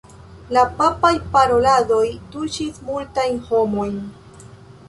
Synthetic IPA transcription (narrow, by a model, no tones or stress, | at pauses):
lapapajpaɾo̞lado̞jtuʃismultajnho̞mo̞jn